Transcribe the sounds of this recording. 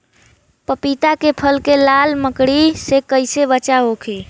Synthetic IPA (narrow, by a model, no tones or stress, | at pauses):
pəpit̪akepʰəlkelalməkɽisekəɪsebət͡ʃaɦokʰe